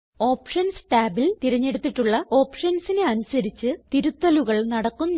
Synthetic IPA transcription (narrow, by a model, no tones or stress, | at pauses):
o̞ːpʂɐnsʈaːbilt̪iɾɐɲːe̞ɽut̪ːiʈːuɭːɐo̞ːpʂɐnsineɐnusɐɾit͡ɕːɨt̪iɾut̪ːɐluɣɐɭnɐɽɐkːunː